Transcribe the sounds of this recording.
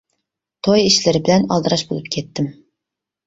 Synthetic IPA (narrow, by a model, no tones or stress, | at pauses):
t̪ʰojiʃlɪɾɪbɪlɛnɑ̰lˠd̪ɨɾɑʃbo̰lˠɨp̚kʲʰɛt̪ːɪm